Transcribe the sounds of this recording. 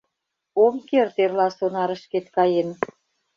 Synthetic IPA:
omkert̪erlɑsonɑɾə̆ʃket̪kɑjen

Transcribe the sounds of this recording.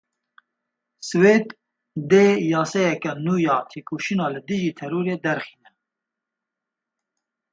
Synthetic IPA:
sɨweːd̪ | d̪eːjɑːsɛjɛkɛnuːjɑːt̪ʰeːkʰoːʃinɑːlɨd̪ɨʒiːt̪ʰɛɾuːɾeːd̪ɛɾxiːnɛ

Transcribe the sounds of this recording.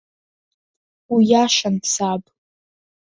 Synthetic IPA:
wijaʃanpʰsapʼ

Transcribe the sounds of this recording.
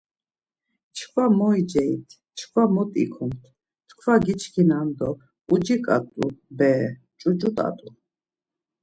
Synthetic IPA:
t͡ʃʰkʰvamɔid͡ʒɛit̪ʰ | t͡ʃʰkʰvamɔt̪ʼḭkʰumt̪ʰ | t̪ʰkʰvaɡit͡ʃʰkʰinand̪ɔ | ud͡ʒikʼa̰t̪ʼṵbɛː | t͡ʃʼut͡ʃʼut̪ʼa̰t̪ʼu

